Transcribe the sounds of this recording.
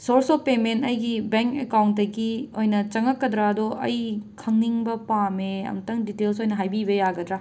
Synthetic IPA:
soɾsopementɐjɡibeŋkekawnt̚dɐɡiojnɐt͡ʃɐŋɐkːɐd̪ɾadoʔɐ̰jkʰɐŋniŋbɐpameɐ̰mɐtɐŋditels̬ojnɐɦajbibɐjaɡɐd̪ɾa

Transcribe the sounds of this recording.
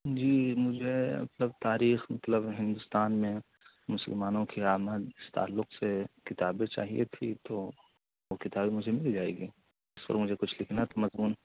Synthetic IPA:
d͡ʒiːmʊd͡ʒʱemɐ̰t̪ləb̚t̪aːɾiːxmɐt̪ləbɦɪ̃nd̪ʊst̪aːnmẽ | mʊsə̰lmaːnõkiaːməd̪ɪst̪a̰ːlːʊqsekɪt̪aːbẽt͡ʃa̰ːɦiʔet̪ʰit̪oː | okɪt̪aːbemʊd͡ʒʱemɪlid͡ʒaːeːɡiː | ɪspɐ̰ɾmʊd͡ʒʱekʊt͡ʃʰlɪkʰnat̪omɐzmuːn

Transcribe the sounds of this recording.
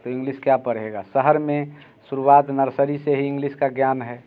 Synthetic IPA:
t̪oɪ̃ŋɡliskjapəɽɦeɡasəɦəɾmẽ | suɾuwaːt̪nəɾsəɾiseɦiɪ̃ŋɡliskaɡjaːnɦɛː

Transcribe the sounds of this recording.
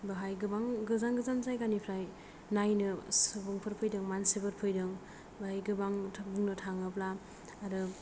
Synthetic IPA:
baɦajɡɯbaŋɡɯzaŋɡɯzanzajkanipʰɾaj | najnɯsɯbɯŋpʰɯɾpʰɯjdɯŋmansibɯɾpʰɯjdɯŋ | baɦajɡɯbaŋtʰap̚duŋnɯtʰaŋɯplaː | ɾɯ

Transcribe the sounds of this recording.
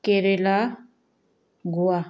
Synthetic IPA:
keɾela | ɡua

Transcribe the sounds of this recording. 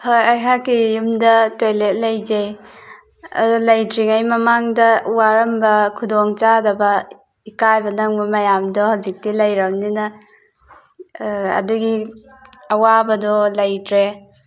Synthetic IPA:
hojajɦakːijumdɐtwelet̚lɐjd͡ʒej | ɐ̰dulɐjtɾiŋajmɐmaŋdɐwaɾɐmbɐkʰudɔŋt͡ʃadɐbɐ | ikajbɐnɐŋbɐmɐjamdɔhawzik̚tilɐjɾɐŋninɐ | ɐ̰duɡi | ɐwabɐdɔlɐjtɾe

